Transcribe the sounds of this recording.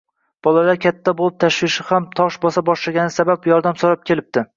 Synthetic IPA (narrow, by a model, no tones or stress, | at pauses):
b̥ɒlˠalaɾkʲʰat̪ʰːabolˠɪp̚t̪ʰaʃwɪʃɪhamt̪ʰɒʃbɒsabɒʃlaɡʲanɪsabapjɒɾd̪amsoɾap̚kʲe̞lɪp̚d̪̥ɪ